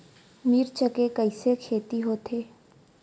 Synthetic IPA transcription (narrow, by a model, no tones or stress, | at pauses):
miːɾt͡ʃəkekəɪsekʰeːt̪iɦoːt̪ʰeː